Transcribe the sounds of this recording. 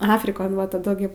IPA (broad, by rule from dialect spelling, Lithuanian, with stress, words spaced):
ˈɑːfʲrʲɪkoːn ʋɐ tɐˈdʊ ˈɡʲɪ